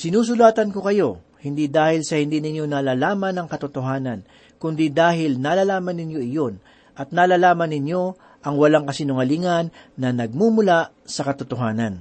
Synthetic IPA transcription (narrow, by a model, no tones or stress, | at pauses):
sɪnuːs̬ʊlaːt̪ɐnko̞kɐjo̞ | hɪnd̪id̪aːhɪlsɐhɪnd̪iːnɪɲjo̞nalaːlaːmɐnɐŋkɐt̪ʊt̪oɦaːnɐn | kʊnd̪id̪aːɦɪlnaːlaːlaːmɐnːɪnjo̞ʔɪjo̞n | ʔɐt̪̚nalaːlaːmɐnːɪnjo̞ | ʔɐŋwɐlaŋkɐsɪnʊŋɐliŋɐnːɐnɐɡ̚mumʊla | sɐkɐt̪ʊt̪oɦaːnɐn